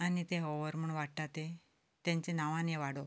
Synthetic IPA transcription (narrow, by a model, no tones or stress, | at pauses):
anit̪eɦɔʋəɾm̤uɳʋaɽʈ̪at̪e | t̪jãɲt͡ɕenaʋãneʋaɽo